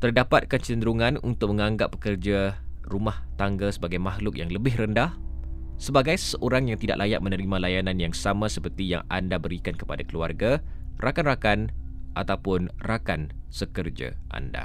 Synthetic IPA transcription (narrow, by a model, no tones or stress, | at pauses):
t̪ərdapat̪̚kant͡ʃənd̪ɾuŋãnṵnt̪ʊk̚məŋaŋɡapːə̥kərd͡ʒa | rumaht̪aŋɡasəbaɡajmaɦlʊk̚jaŋləbɪhrəndah | səbaɡajssəʔoɾaŋjaŋt̪ida̰ʔ̚lʔajaʔ̚mənəɾimãlajananjaŋsamãsəpərt̪ija̰ŋa̰ndabəɾikankə̥padakəlua̰rɡarʔakanrakanʔat̪awpʊnrakansəkərd͡ʒa̰ʔa̰nda̰